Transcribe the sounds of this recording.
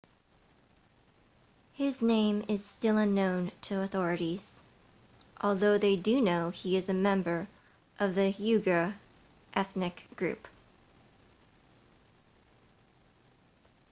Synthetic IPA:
hɪznẽɪ̃mɪz̥stɪlˠʌ̃nːõʊ̃ntʰɨəθɔɹɨɾiz̥ | ʔɔlˠðoʊðeɪdɨnoʊiɨzɨmɛ̃mbə˞ | ʔʌvðɨhjʉɡə˞ | ʔɛθnɨkɡ̥ɹʉ̰p

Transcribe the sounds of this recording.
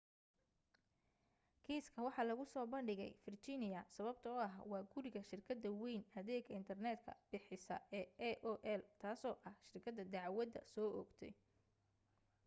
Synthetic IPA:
kʰiːskʰɐwɑħɑːlɐɣʊsɔːbɐnɖɪɣɛ̰jfɪrt͡ʃɪnɪjɐsɐβɐb̚t̪ʰɐʊɐɦwɑːɡʊɾɪɣɐʃɪrkʰɐd̪ɐwɛjnɐðɛːɡɐɪnt̪ʰɐrnɛːd̪kʰɐ̰b̥ɪħɪsɐ̰ʔɛːɛʔɔːʔɛlt̪ʰaːsɔːʔɐhʃɪrkʰɐd̪ɐd̪ɑʕwɐd̪ɐ̰sɔːʔɔɡt̪ʰɛ̰j

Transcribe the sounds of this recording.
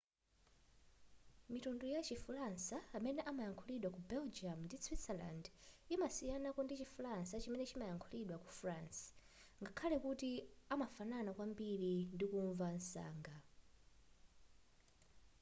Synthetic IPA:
mitundujat͡ʃifulansaːmɛnɛʔamajaŋkʰuliɗwakubɛld͡ʒiamndiswitsɛla̰ndimasijanakɔndit͡ʃifulansat͡ʃimɛnɛt͡ʃimajaŋkʰuliɗwakufrans | ŋɡakʰalɛkutiamafananakwambiɾindikuɱvan̩sa̰ːŋɡa

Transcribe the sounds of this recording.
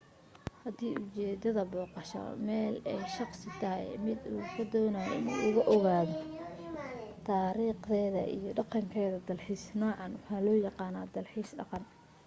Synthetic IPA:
hɐd̪iːʔʊt͡ʃɛːd̪ɐðɐbɔːqɑʃɐ̰mɛːlɛjʃɑqsɪt̪ʰɐɦɛ̰jmɪd̪uːkʰɐd̪ɔːnɐj̰ɪ̰nuːʊɣɐʔɔɣaːðɔ | t̪ʰaːɾiːqðɛːðɐ̰ʔḭjɞɖɑqɑŋkʰɛːðɐd̪ɐlħiːsnɔːʕɑnwɑħɑːlɔːjɑqɑːnaːd̪ɐlħiːsɖɑ̰qɑn

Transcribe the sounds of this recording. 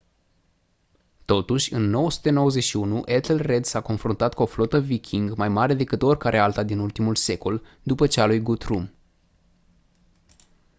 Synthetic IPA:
t̪o̞t̪uʃʲɨnːo̞wəsu̥t̪e̞no̞wəze̞ʃiunuʔet̪lre̞d̪sako̞nfɾunt̪at̪kuo̞flo̞t̪əvikʲʰiŋɡmajmaɾe̞d̪e̞kɨt̪o̞rʲkaɾʔe̞alt̪ad̪inult̪imulse̞ko̞l | d̪upət͡ʃealujɡut̪ɾum

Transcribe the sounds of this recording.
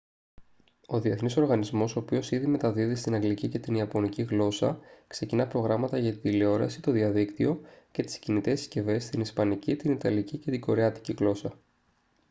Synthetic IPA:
o̞ðie̞θniso̞ɾɣɐnizmo̞so̞ːpio̞siðime̞t̪ɐðiðist̪inɐŋɡlicice̞t̪iniɐpo̞niciɣlo̞sɐkse̞cinɐpɾo̞ɣɾɐmɐt̪ɐʝɐt̪id̪ileo̞ɾɐ̰sit̪o̞ðiɐðikt̪io̞ce̞t̪i̥scinit̪e̞sce̞ve̞st̪inispɐnicit̪init̪ɐlicice̞t̪iɡo̞ɾeɐt̪i̥ciɣlo̞sɐ

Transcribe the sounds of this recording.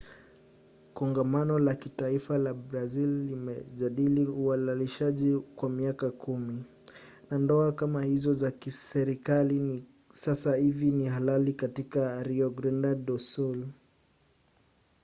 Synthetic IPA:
kɔŋɡamanɔlakitaifalabɾazilːimɛʄaɗiliualaliʃaʄikwamiakakʰumi | nandɔakamahizɔzakisɛɾikalin | sasahivinihalalikatikaɾiɔɡɾɛndaɗɔsul

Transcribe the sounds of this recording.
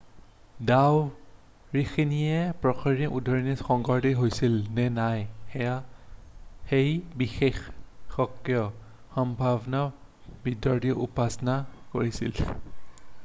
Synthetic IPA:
daw | ɹixinijɛpɹɔkʰiɹiɔʔudʱɔɹinixɔŋɡɔɹdiɦojsilnɛnajxɛja | xejbixexːɔkːjɔ | xɔmbʱabna | bidɔɹdiɔʔṵpasɔnako̰ɹisḭl

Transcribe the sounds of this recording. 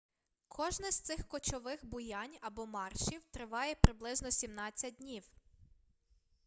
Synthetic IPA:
kʰɔʒnɪz̥t̪sɪxkɔt͡ʃɔʋɪxbʊjɑnʲɐbɔmɑrʃiwt̪ɾɪʋɑjɛpɾɪblˠɪznɔsʲimnɑt͡sʲːɐd̚ʲdʲnʲiw

